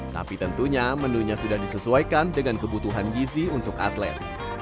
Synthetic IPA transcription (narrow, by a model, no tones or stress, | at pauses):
t̪a̰pit̪ənt̪uɲamənuɲasudahdisəsuajkandəŋankəbut̪uɦanɡiziunt̪ʊka̰t̪lɛ̰t̪̚